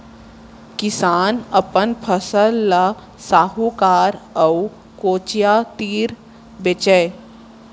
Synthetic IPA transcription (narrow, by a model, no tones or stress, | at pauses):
kɪsaːnəpənpʰəsəlːa | saːɦukaːɾəu | koːt͡ʃjat̪iːɾ | bet͡ʃəe